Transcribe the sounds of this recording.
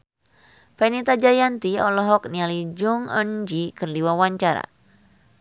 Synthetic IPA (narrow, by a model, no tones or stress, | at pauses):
pɛnit̪ad͡ʒajant̪iɔ̰lɔɦɔk̚nialid͡ʒuŋə̰nd͡ʒikərdiwawaɲt͡ʃaɾa̰